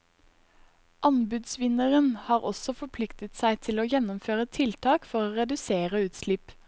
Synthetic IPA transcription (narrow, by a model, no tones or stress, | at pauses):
ʔɑnbʉd̪sʋɪnəʁənhɑːʁɔsɔfɔpʰlɪkt̪ət̪sæɪt̪ʰɪloːjɛnɔmføːʁət̪ʰɪlt̪ʰɑːkfɔʁoːʁɛd̪ʉseːʁəʉːt̪slɪp